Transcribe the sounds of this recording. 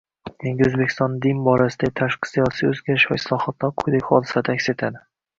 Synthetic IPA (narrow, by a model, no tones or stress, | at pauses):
d̪ʰeŋɡʲɪɵzbekʲʰɪst̪ɒnd̪ɪnbɒɾasɪd̪aɪt̪ʰaʃqʰɨ̥sijɒsijɵzɡʲaɾɪʃva̰ɪslˠɒhɒt̪ʰlaɾqʰojd̪akʲχɒd̪ɪ̥sad̪aakʲse̞t̪ʰad̪ɪ